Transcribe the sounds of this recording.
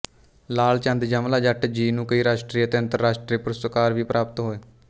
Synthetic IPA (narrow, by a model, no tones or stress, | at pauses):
laːlt͡ʃə̃nd̪d͡ʒəmlaːd͡ʒəʈd͡ʒiːnũːkəiːɾaːʃʈɾiːət̪eːənt̪əɾːaːʃʈɾiːpəɾsəkaːɾʋiːpɾʔaːpət̪ɦoːeː